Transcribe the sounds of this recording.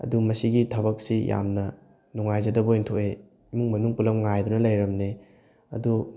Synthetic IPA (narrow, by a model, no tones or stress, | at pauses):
ɐ̰dumɐsiɡitʰɐbɐk̚sija̰mnɐ | nuŋajzɐdɐbointʰoʔe | imuŋmɐnuŋpulɐmŋajdunɐlɐjɾɐmne | ɐ̰du